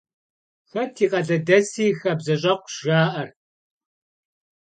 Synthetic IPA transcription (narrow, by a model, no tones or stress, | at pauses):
xɐtʰiːqɐɮɐdɐsiːxɐbzɐɕʼɐqʷʒ̥aːʔɐr